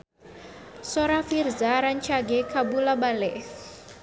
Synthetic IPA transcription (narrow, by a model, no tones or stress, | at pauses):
soɾafirzaɾaɲt͡ʃaɡekabulabalɛf